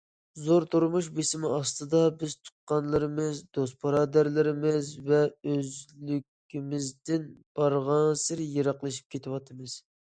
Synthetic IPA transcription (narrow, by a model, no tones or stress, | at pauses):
zoɾt̪ʰuɾmuʃbesɪmɪɑst̪ɨd̪ɑbɪzt̪ʰʊ̥qːɑnlˠɨɾɨmɨzd̪ost̪̚pʰɑɾɑːd̪æɾlɪɾɪmɪzvɛøzlykʲimɪzd̪ɪnb̥ɑɾʁɑɴsɪɾjeɾɑqlˠɨʃi̥p̚kʲʰet̪ʰɪwɑt̪ʰɨmɨz̥